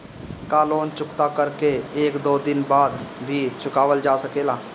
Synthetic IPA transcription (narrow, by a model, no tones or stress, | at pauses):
kaːloːnt͡ʃʊkt̪akəɾkeeːkd̪oːd̪ɪnbaːd̪bʱit͡ʃʰʊkaːʋəld͡ʒaːsəkeːlaː